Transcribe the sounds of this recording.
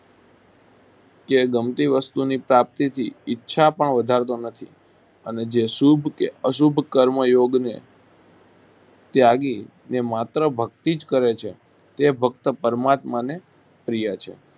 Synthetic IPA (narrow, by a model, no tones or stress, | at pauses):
keɡəmt̪iʋəst̪unipɾap̚t̪it̪ʰiːtːʃʰapəɳʋəd̪ʱaɾt̪onət̪ʰi | əned͡ʒeʃubʱkeəʃubʱkəɾməjoɡne | t̪jaɡi | nemat̪ɾəbʱək̚t̪id͡ʒkəɾet͡ʃʰe | t̪ebʱəkt̪əpəɾəmat̪mane | pɾijat͡ʃʰḛ